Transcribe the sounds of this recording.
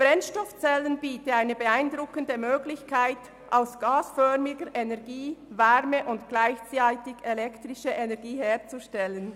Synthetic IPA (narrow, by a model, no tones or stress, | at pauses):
b̥ʁɛnʃtɔft͡sɛlənbiːtəaɪnəbəaɪndʁʊkəndəmøːɡlɪçkʰaɪt | ʔaʊsɡ̥aːsfœʁmɪɡəɾʔenɛʁɡiːvɛɾməʔʊntɡ̥laɪçt͡saɪtɪçelɛktʁɪʃəʔenɛɐɡiːɦeːɐt͡suʃtɛlən